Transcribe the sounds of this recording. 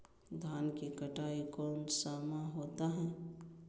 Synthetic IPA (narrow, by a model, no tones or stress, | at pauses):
d̪ʱaːnkekəʈaːikɔːnsaːmãɦoːt̪aɦɛ̃ː